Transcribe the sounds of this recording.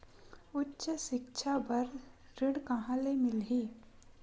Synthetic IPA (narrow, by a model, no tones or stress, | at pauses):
ʊtːʃəʃɪkʃʰabɐɾɾɪɽkaɦãlemɪlɦiː